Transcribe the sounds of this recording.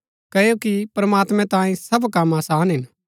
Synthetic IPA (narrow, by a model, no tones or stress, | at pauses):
kɐjokipɾɐmaːt̪mɛ̃t̪ãːĩsɐbkɐmaːsaːnɦɪn